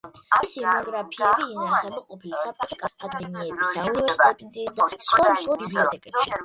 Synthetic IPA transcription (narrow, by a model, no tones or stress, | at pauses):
isinɔɡɾapʰiɛbiɛnaχɛbaqʼɔpʰilisap̚t͡ʃʼɔt̪ʰɔkʼapʼand̪ɛmiɛbisaunivɛɾsit̪ʰʼɛt̪ʼnt̪ʼid̪asχwanslˠɔbibliɔt̪ʼɛkʼɛpʃi